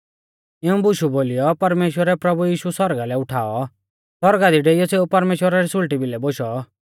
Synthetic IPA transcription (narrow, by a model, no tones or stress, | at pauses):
ɪũbʊʃuboːlɪjɔpɐɾmeːʃwəɾɛpɾɐbujiːʃusɔɾɡalɛʊʈʰaːɔ | sɔɾɡad̪iɖeijɔseːupɐɾmeːʃwəɾaɾisʊlʈibʱilɛboʃɔ